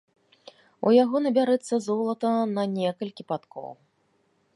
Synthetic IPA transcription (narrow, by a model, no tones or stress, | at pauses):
ṵjaɣɔnɐbʲaɾɛt̪sːɐzɔlˠɐt̪ɐnɐnʲɛkɐlʲkʲipat̪kɔ̰w